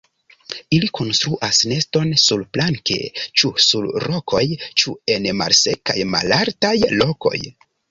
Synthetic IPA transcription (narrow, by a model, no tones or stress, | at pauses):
ilikʰo̞nstɾuʔasne̞sto̞nsulplaŋke̞̰t͡ʃusulɾo̞kʰo̞jt͡ʃue̞nma̰lse̞ka̰jma̰laɾtajloko̞̰j